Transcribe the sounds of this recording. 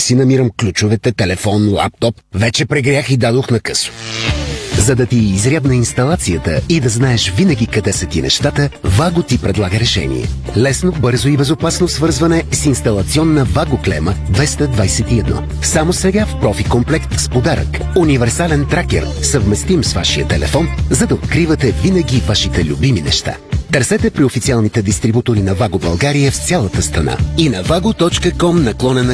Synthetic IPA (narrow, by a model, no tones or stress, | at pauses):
sinɐmiɾəmklʲut͡ʃʊvɛt̪ɛt̪ɛlɛfɔnlˠa̰p̚t̪ɔpvɛt͡ʃɛpɾɛɡɾjaxid̪ad̪oxnɐkɤso̥ | zɐd̪ɐt̪iːzɾʲjad̪nɐinst̪ɐlˠat̪siət̪əid̪ɐznaɛʃvinəɡʲikɐd̪ɛsɐt̪inɛ̰ʃt̪at̪əvaɡot̪ipɾɛd̪lˠaɡəɾɛʃɛ̰nḭɛ̰lɛsnobɤɾzoibɛzopasnosvɤɾzvɐnɛsinst̪ɐlˠɐt̪siɔnːəvaɡoklɛ̰məd̪vɛst̪əd̪vajsɛt̪iɛd̪nɔ̰ | samosɛɡafpɾɔfikomplɛkt̪spod̪aɾə̰k | univɛɾsalɛnt̪ɾakɛ̰ɾ | sɐvmɛst̪imsvaʃijət̪ɛlɛ̰fɔnzɐd̪ɐot̪kɾivɐt̪ɛvinəɡʲiːvaʃit̪ɛlʲṵbiminɛʃt̪a̰t̪ɐɾsɛt̪ɛpɾiofit̪sialˠnit̪ɛd̪ist̪ɾibut̪oɾinɐvaɡobɐ̰lˠɡaɾijəft̪sʲjalˠət̪əst̪ɾɐna̰inɐvaɡot̪ɔt͡ʃkəkɔmnɐklˠɔnɛn